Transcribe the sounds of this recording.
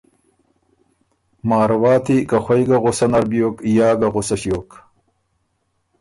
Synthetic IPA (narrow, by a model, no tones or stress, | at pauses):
maːɾwaːt̪ʰikɐxwɐjɡaɣosɐnɐɾbijoːkjaːɡɐʁosɐɕjoːk